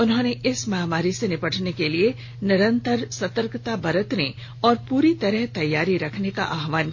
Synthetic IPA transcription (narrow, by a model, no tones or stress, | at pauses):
ʊnɦõːneʔɪsmaːmaːɾisenɪpəʈʰnekelie | nɪɾə̃nt̪əɾsɐt̪əɾkt̪abɐɾət̪ne | ɔːɾpuːɾit̪ɐɾəɦt̪ɐjːaːɾiɾɐkʰneka̰ʔaːɦʋaːn